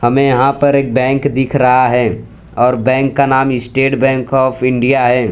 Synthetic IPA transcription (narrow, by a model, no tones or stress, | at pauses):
hɐmẽjɐɦãpɐɾeːk̚bɛ̃ːŋkd̪ɪkʰɾɐɦaɦɛː | ɔːɾbɛ̃ːŋkːanaːmɪsʈeːʈbɛ̃ːŋkɔːpʰɪ̃ɳɖijaɦɛː